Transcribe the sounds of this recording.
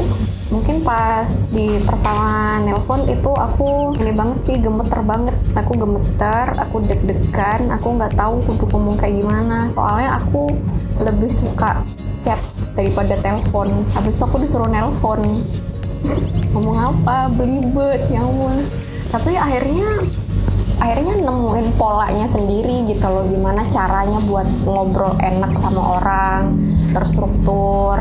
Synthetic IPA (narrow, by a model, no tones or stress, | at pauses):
muŋkɪnpasdipərt̪amanɛləfɔnit̪uʔakuanibaŋət̪sɪhɡəmət̪ːə̰rbaŋət̪̚akuɡəmət̪ːəra̰kudək̚dəkana̰kuŋɡaʔt̪aukudukməmuŋkajɡimanaso̰ʔa̰lɲaʔa̰kuləbɪhsuka̰ | t͡ʃɛp̪̚d̥aɾipadat̪eləfɔnabɪst̪uakudisuɾuhnɛləfɔn | amuŋapabəlibət̪̚ɲamʊn | t̪apiaɦirɲa | ʔaɦirɲanəmuɪnpola̰ʔɲasəndiɾid͡ʒikaloɡimanat͡ʃaɾaɲabuat̪̚əŋobɾɔlḛnak̚samaʔoɾʔa | ŋ | t̪ərst̪ɾuk̚t̪ʊ | r